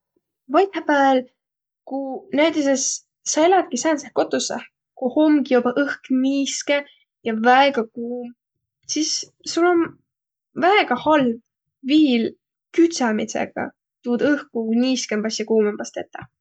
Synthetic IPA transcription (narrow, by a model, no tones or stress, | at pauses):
vɑjt̪hɑpæel | kunæjt̪is̬esː | ɑelɑt̪̚kisæːnsehko̞t̪ːˑusɑ | kuhomɡjobɑʔɤhkniːske | jɑvæeɡ̥ɑkuːm | sisː | ulːo̞n | væeɡ̥ɑhɑlv̥ | viːl | kyt̪sɑmisḛɡ̥ɑ̰ | t̪uːd̪ɤhkunʲiːskempɑsjɑkuːmempɑst̪et̪ːˑɑ